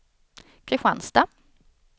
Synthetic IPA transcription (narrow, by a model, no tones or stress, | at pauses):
kʰɾɪɧanst̪a